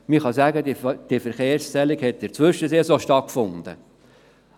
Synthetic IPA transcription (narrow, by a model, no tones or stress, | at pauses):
mɪχɑsæɡədid̥ifɛɾχeːɾstɛliɡhɛt̪̚dɪɾt͡sʋʏʃəseːsoʃtɑt̚kfʊnd̪̥ə̰